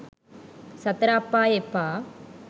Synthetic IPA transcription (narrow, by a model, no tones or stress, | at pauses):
sɐt̪ɾaːpːaːjepːaː